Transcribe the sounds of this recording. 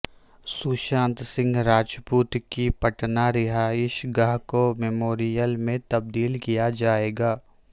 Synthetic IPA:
suʃãːnt̪sɪ̃ŋɡɾaːd͡ʒpuːt̪kipɐʈnaɾɪɦaɪʃɡaɦkomɛmoːɾijəlmẽt̪ɐb̚d̪iːlkijad͡ʒaːeːɡaː

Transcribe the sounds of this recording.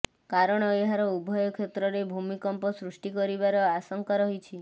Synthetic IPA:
kaɾɔɽ̃ɔeɦaɾɔubʱɔjɔkʰet̪ɾɔɾebʱumikɔmpɔsɾuʂʈikɔɾibaɾɔasɔŋkaɾɔɦit͡ʃʰi

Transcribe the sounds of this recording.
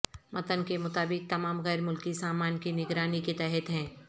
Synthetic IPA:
mʔɐt̪ənkemʊt̪aːbɪk̚t̪ɐmaːmɣɛːɾmʊlkisaːmaːnkinɪɡɾaːniket̪ɛɦɛt̪ɦɛ̃ː

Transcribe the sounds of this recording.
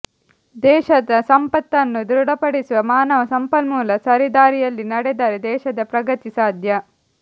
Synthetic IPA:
d̪ɛːʃɐd̪ɐsɐmpɐt̪ːɐnːud̪ɾuɽɐpɐɽisuʋɐmaːnɐʋɐsɐmpɐlmuːlɐsɐɾid̪aːɾijɐlːinɐɽɛd̪aːɾed̪ɛːʃɐd̪ɐpɾɐɡɐt̪isaːd̪ʱjɐ

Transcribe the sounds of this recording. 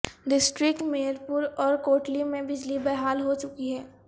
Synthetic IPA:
ɖɪsʈɾɪkʈmeːəɾpʊɾɔːɾkoːʈlimẽbɪd͡ʒlibɛɦaːlɦot͡ʃʊkiɦɛː

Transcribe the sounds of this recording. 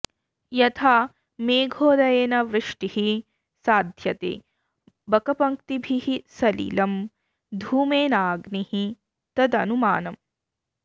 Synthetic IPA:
jɐt̪ʰaː | meːɡʱoːd̪ɐjeːnɐʋɾɨʂʈihi | saːd̪ʱjɐt̪ḛː | bɐkɐpɐŋkt̪ibʱihisɐlḭːlɐm | d̪ʱuːmeːnaːɡnihi | t̪ɐd̪ɐnuma̰ːnɐm

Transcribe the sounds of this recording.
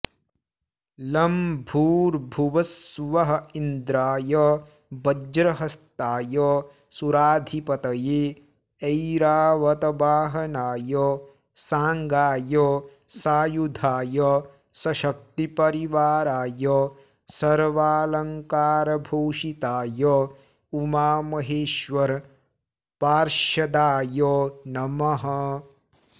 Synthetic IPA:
lɐmbʱuːɾbʱuʋɐsʋɐɦɐind̪ɾaːjɐ | bɐd͡ʒɾɐɦɐst̪aːjɐ | suɾaːd̪ʱipɐt̪ɐje | ejɾaːʋɐt̪ɐbaːɦɐnaːjɐ | saːŋɡaːjɐ | saːjud̪ʱaːjɐ | sɐʃɐk̚t̪ipɐɾiʋaːɾaːjɔ | sɐɾʋaːlɐŋkaːɾɐbʱoːʃit̪aːjɐ | umaːmɐɦeːʃʋɐɾ | paːɾʃɐd̪aːjɔnɐmɐɦɐ

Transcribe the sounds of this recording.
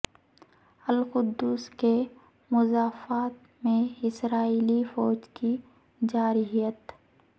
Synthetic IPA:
əlqʊd̪ːuːske | mʊzaːfaːt̪ | mẽɪsɾaːiːlifɔːd͡ʒki | d͡ʒaːɾɪɦijət̪

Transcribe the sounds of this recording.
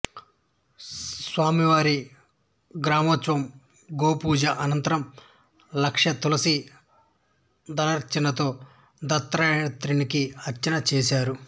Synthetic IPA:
sʋaːmiʋaːɾi | ɡɾaːmɐt͡ʃʋɐm | ɡoːpuːd͡ʒɐʔɐnɐnt̪ɐɾɐm | lɐkʂjɐt̪ulɐsi | d̪ɐlɐɾt͡ʃinɐt̪o̞ː | d̪ɐt̪ːɾaːnɐt̪ɾinikiɐɾt͡ʃɐnɐt͡ʃeːsaːɾu

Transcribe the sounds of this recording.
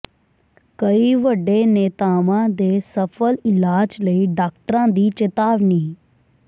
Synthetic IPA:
kəiːʋəɖːeːneːt̪aːʋãːd̪eːsəpʰəlɪlaːd͡ʒləiːɖaːk̚ʈɾãːd̪iːt͡ʃet̪aːʋniː

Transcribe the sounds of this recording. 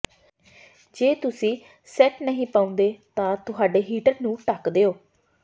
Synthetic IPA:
d͡ʒeːt̪ʊsĩː | sɛːʈnəɦĩːpaːʊ̃nd̪eːt̪ãːt̪ʊɦaːɖeːɦiːʈəɾnũːʈəkd̪eːoː

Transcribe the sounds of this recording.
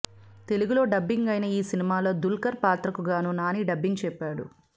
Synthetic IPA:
t̪e̞luɡulo̞ːɖɐbːiŋɡɐjnɐiːsinimaːlo̞ːd̪ulkɐɾpaːt̪ɾɐkuɡaːnuːnaːniːɖɐbːiŋɡt͡ʃɛpːaːɽṵ

